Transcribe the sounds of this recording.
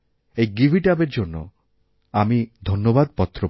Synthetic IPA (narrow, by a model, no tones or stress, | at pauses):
ejɡibʱiʈabeɾd͡ʑonːo̰ | amid̪ʱonːobad̪̚pɔt̪ːɾo